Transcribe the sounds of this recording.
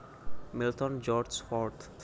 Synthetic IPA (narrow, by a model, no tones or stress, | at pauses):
milt̪ɔnd͡ʒɔɾsfɔɾt̪